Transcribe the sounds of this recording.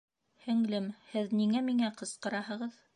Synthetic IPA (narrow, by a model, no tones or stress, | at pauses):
hɵ̆ŋlɘmhɘðniŋæmiŋæqɤ̆sqɤ̆ɾɑɦɤ̆ʁɤð